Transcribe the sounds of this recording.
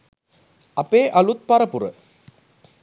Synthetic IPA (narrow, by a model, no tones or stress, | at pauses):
ɐpeːʔɐlut̪̚pɐɾəpuɾə̰